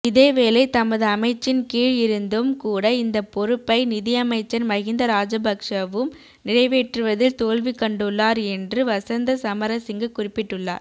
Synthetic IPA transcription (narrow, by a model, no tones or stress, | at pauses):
ɪðeːʋeːlɐɪt̪ɐmɐðɯɐmɐɪt͡ʃːɪnkiːɻɪɾɯnd̪ɯmkuːɽɐɪnd̪ɐpɔɾɯpːɐɪnɪðɪjɐmɐɪt͡ʃːɐnmɐɣɪnd̪ɐɾaːd͡ʒɐbɐkʂɐʋɯm | nɪɾɐɪʋeːʈrɯʋɐðɪlt̪oːlʋikːɐɳɖɯɭːaːɾɛndrɯʋɐsɐnd̪ɐsɐmɐɾɐsɪŋɡɐkʊrɪpːɪʈːɯɭːa̰ːɾ